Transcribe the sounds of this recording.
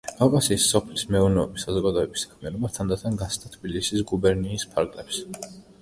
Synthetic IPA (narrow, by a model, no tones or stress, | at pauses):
ɡ̥avkʼasiːsːɔpʰlismɛuɾnɛɔbisazɔɡad̪ɔɛbisḁkʰmianɔbat̪ʰand̪at̪ʰanɡasʰt̪ʰat̪ʰbilisisɡubɛɾniːspʰaɾɡlɛps